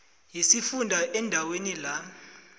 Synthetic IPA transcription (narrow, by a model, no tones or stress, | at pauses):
jisifundʱaʔɛndʱawenila